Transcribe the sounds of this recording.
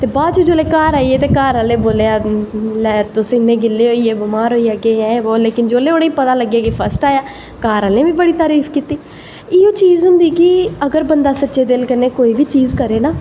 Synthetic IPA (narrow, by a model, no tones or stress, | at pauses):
t̪eːbaːd͡ʒuːd͡ʒoːleːkaːɾaːijeːt̪eːkaːɾaːleːboːleːaːlɛt̪ʊsĩɪnːẽːɡɪlːeːɦoːiːeːbɪmaːɾɦoːiːaːkeaːeːʋoːleːkɪnd͡ʒoːleːoːɽeːiːpət̪aːləɡːjaːkipʰəsʈaːjaː | kaːɾaːlẽːʋiːbəɽiːt̪aːɾiːfʰkiːt̪iː | ɪõːt͡ʃiːzɦʊ̃nd̪iːkɪəɡəɾbənd̪aːsətːʃeːd̪ɪlkəneːkoːiːʋiːt͡ʃiːzkəɾeːnaː